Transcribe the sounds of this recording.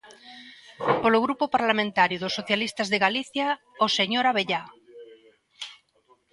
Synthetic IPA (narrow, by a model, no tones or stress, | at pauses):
poloɣ̞ɾupopaɾlamẽnt̪aɾjoðosːoθjalist̪azðeɣaliθja | oseɲoɾaβeʎa